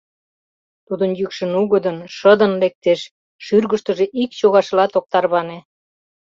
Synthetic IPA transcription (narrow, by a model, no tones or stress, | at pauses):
t̪ud̪ənjykʃə̆nuɣəd̪ənʃəd̪ənlek̚t̪eʃ | ʃyrɣəʃt̪ə̆ʒeʔikt͡ɕoɣɑʃlɑt̪ok̚t̪ɑrβɑne